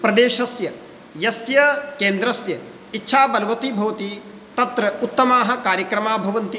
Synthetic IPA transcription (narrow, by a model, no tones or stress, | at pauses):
pɾɐd̪eːʃɐsjɐ | jɐsjɐkeːnd̪ɾɐsjɐ | itːʃʰaːbɐlɐʋɐt̪ibʱɐʋɐt̪i | t̪ɐt̪ɾɐut̪ːɐmaːɦɐ̆kaːɾjɐkɾɐmaːbʱɐʋɐnt̪i